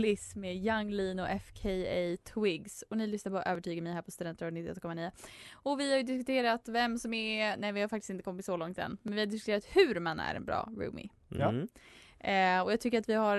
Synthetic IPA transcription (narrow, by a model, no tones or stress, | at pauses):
lɪsmeːjaŋːliːnɔʔɛfkʰɛjɛt̪ʰwɪɡsɔnɪlʏsnaɾpʰɔʔøːvəʈʰyːɡəɾmɛjhæːpʰɔst̪ɵd̪ɛnt̪əɾavnɪt̪ːɪɛ̰t̪ːkɔmːaniːəɔvɪhaɾjɵd̪ɪskɵt̪ʰeːɾat̪vɛmsɔmɛnɛjvɪhaɾfakt̪ɪ̥st̪ɪnt̪əkʰɔmːɪt̪sɔlɔŋt̪ɛ̰nːmɛnvɪhaɖ̪ɪs̬kɵt̪ʰeːɾat̪hʉːɾmanæ̰ɾɛ̰nbɾɑ̰ːɾʉ̰ːmɪ̰ | ɔjɑːt̪ʰʏkːəɾat̪vɪɦaɾ